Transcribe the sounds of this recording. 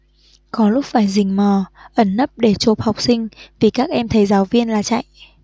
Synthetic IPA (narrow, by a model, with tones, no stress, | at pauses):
kɔ˨˦lʊ˦˥k͡p̚faː˧˩jzï˨˩ŋ̟məː˨˩ʔə˧˩nːə˦˥p̚ɗe˧˩t͡ɕo˨˩p̚ha˨˩wk͡p̚sï˧ŋ̟vi˨˩kaː˦˥k̚ʔɛ˧mt̪ʰə˨˦jzaː˨˦wvi˧ənlaː˨˩t͡ɕa̰˧˨j